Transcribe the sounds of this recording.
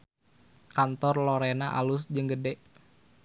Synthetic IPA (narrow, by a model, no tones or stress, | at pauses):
kant̪ɔrloɾenaʔa̰lʊsd͡ʒɨŋɡədɛʔ